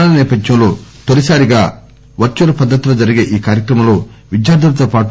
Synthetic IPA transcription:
nɐnɛːpɐd̪jɐmlo̞ːt̪olisaːɾiɡaː | ʋɐɾt͡ʃɐɾɐpɐd̪ːɐt̪loːd͡ʒɐɾiɡe̞ːʔiːkaːɾjɐkɾɐmɐmlo̞ːʋid̪jaːɾd̪ɐlɐt̪oːpaːʈ

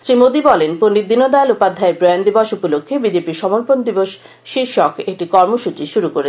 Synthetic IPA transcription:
sɾimod̪ibɔlenponːid̪ːinod̪aelupad̪ʱːaeɾpɾoand̪ibɔʃupolokʰːebid͡ʑepiɾʃɔmoɾpond̪iboʃ | ʃiɾʃɔkek̚ʈikɔɾmoʃut͡ɕiʃuɾukoɾe

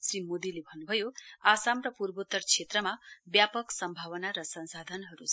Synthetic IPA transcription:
srimod̪ilebʱʌnːubʱʌjoasamrʌpurbot̪ːʌrt͡sʰet̪rʌmabjapʌksʌmbʱawʌnaɾʌsʌnsad̪ʱʌnɦʌɾut͡s

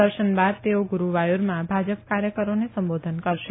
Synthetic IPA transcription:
əɾʃənbad̪̚t̪eoɡuɾuʋajuɾmãbʱad͡ʒəpkaɾjəkəɾonesə̃mbod̪ʱənkəɾʃe

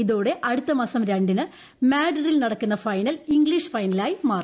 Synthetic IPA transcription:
iðo̞ːɽe̞ʔɐɽut̪ːɐmaːsɐmɾɐɳɖinɨ | maːɖɐrilnɐɽɐkːunːɐfɐjnɐliŋɡɭiʂfɐjnɐlaːjimaːr

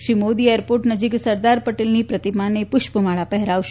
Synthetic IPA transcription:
ʃɾimod̪iejəɾpoɾʈnəd͡ʒiksəɾd̪aɾpəʈelnipɾət̪imanepʊʃpəmaɭapɛɦɛɾaʋʃ

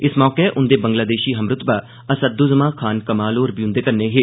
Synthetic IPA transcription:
ɪsmɔːkeʔʊnd̪eːbə̃ŋɡlaːd̪eːʃiːɦɐmɾʊt̪ba | ɐsəd̪ːozɐmãːkʰaːnkɐmaːloːɾbʱiʊ̃nd̪eːkɐɾneɦeː

